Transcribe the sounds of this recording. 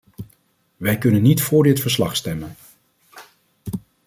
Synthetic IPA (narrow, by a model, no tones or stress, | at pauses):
ʋɛjkɵnənːitfʊːɹdɪtfəɹslɑ̰χstɛmən